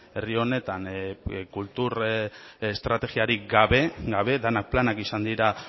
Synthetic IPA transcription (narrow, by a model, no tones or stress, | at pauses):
e̞rio̞ne̞t̪ankult̪uɾest̪ɾat̪e̞ɣiaɾiɡaβe̞ɡaβe̞ðenak̚planakisand̪iɾa